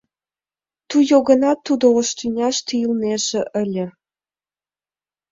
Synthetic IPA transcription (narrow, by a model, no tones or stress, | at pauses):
t̪ujoɣɤ̆nɑt̪ːud̪ooʃt̪ynʲɑʃt̪iilneʃĕʔə̆lʲĕ